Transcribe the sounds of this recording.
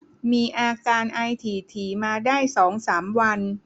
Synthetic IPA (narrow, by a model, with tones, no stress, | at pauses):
miː˧ʔaː˧kaː˧nʔa˧jt̪ʰiː˨˩t̪ʰiː˨˩maː˧daː˥˩jsɔː˩˦ŋsaː˩˦mwa˧n